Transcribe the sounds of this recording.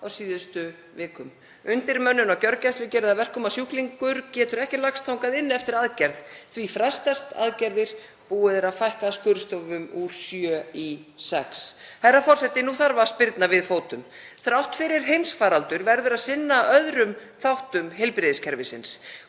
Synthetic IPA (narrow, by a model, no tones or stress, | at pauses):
awsiːðʏst̪ʏ | vɪːkʏm | ʏnt̪ɪɾmœnːʏnawcœɾcɛjst̪lʏcɛːɾʏðavɛr̥kʏmasjuhkliŋkʏɾcɛːt̪ʏɾɛhcɪlakst̪ʰawŋkaðɪnːɛft̪ɪɾaðcɛɾð̥θvifɾast̪ast̪a̰ðcɛɾðɪɾ̥ | puːʏðɪɾawfajhkaskʏːɾʏst̪ɔvʏmu̥sjœːisɛksθɛrːafɔr̥sɛt̪ɪnuːθaɾvḁspɪɾt̪navɪðfoːwt̪ʏm | θɾawht̪fɪɾɪɾ̥ɦejmsfaːɾalt̪ʏɾvɛɾðʏɾaðsɪnːaœðɾʏmθawht̪ʏmɦejlpɾɪðɪscʰɛɾvɪsɪns